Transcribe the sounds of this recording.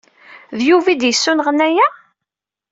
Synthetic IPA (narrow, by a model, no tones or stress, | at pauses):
ðjuvid̪jəsːunʁənæjæ